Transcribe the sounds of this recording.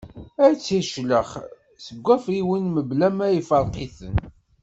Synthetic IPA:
æɾt͡sːiʃləχ | səɡʷːæfɾiwənməblæmæjifəɾˤqiθən

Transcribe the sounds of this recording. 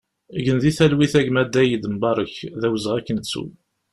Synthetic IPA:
ɡənðiθælwiθæɡmæd̪ːæjid̪əmbɑɾˤəçðæwzəʁækːənsṵ

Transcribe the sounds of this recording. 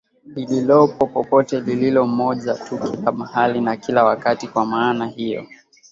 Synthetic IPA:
lililɔpɔpɔpɔtɛlililɔmɔʄatukilamahalinakilawakatikwamaːnahijɔ̰

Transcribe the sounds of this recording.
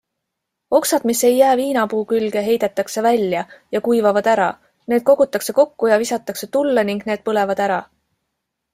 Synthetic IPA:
o̞ksɑd̪̥misːe̞jːæːviːnɑpuːkylɡ̥e̞ɦe̞jd̪̥e̞t̪ːˑɑkse̞vælʲːjɑjɑkujvɑvɑd̪æɾɑ̰ | ne̞ːd̪̥̚ko̞ɡ̥ut̪ːˑɑkse̞ko̞kːujɑvisɑt̪ːˑɑkse̞t̪ulːeniŋɡ̥ne̞ːd̪̥̚pɤle̞vɑd̪̥æɾɑ

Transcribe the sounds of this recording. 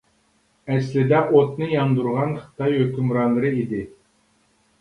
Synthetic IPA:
ɛslɪd̪ɛʔot̪̚nɨjɑnd̪uɾʁɑnχə̥t̪ɑjhøkʲymɾɑnlˠɨɾɨid̪ɪ

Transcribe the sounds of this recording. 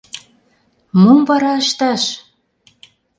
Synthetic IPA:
momvɑɾɑəʃt̪ɑʃ

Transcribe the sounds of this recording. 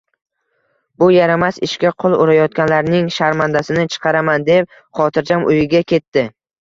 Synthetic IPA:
bʊjaɾamasɪʃkʲaqʰʊlˠʊɾajɒt̪̚kʲanlaɾnɪŋʃaɾmand̪asɪnɪt͡ʃʰɨ̥qʰɑɾamand̪e̞p̚ | χɒt̪ʰɪɾd͡ʒamʔʊjɪɡʲakʲʰe̞t̪ʰːɪ

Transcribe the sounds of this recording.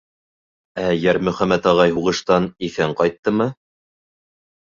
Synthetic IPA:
æjæɾmɵ̆χæmːæt̪ɑʁɑjɦuʁɤ̆ʃt̪ɑniθæɴqɑjt̪ːɤmɤ

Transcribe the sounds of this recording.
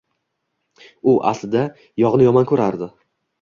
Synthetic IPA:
ʊʔa̰slɪd̪a | jɒʁnɪjɒmankʰɵɾaɾd̪ɪ

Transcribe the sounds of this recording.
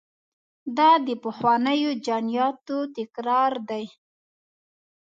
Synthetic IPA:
d̪ɑd̪əpəxwɑnəjod͡ʒɑnijɑt̪ot̪ɪkɾɑɾd̪aj

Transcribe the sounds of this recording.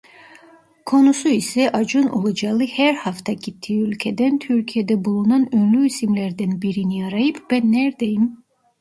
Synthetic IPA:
kʰo̞nusuisɛʔɑd͡ʒɯno̰lˠad͡ʒalˠɯhæɾhaft̪ʰɑɟit̪ʰːiːylʲcʲʰed̪ænt̪ʰyɾcʰijed̪ɛbulˠunanønlʲyisimlæɾd̪ænbiɾinijaɾajɯpbɛnːæɾd̪ejim

